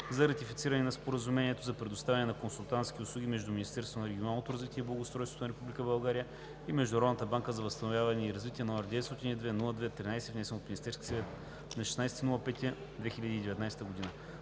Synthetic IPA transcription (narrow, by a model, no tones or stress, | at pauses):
zɐɾɐt̪ifit̪siɾɐnɛnɐspoɾəzumɛniɛt̪ozɐpɾɛd̪ʊst̪avʲɐnɛnɐkonsulˠt̪ant̪sk̟ʲiʊslˠuɡʲimɛʒd̪uminist̪ɛɾst̪vonɐɾɛɡʲonalˠnot̪oɾɐzvit̪iɛiblˠɡoʊst̪ɾɔjst̪vot̪onɐɾɛpublʲikəbɐlˠɡaɾijə | imɛʒd̪ʊnɾɔd̪nət̪əbaŋkəzɐvəst̪ɐnovjavɐnɛiɾɐzvit̪iɛnɔɐɾd̪ɛt̪st̪ɔt̪inid̪vɛnulˠəd̪vɛt̪ɾinajsɛvnɛsɛnot̪minist̪ɛɾskʲi̥sɛvɛt̪ | nɐʃɛ̥snajsɛ̥t̪inulˠəpɛt̪iɐ | d̪vɛxilʲəd̪iːd̪ɛvɛt̪najsɛ̥t̪əɡod̪inə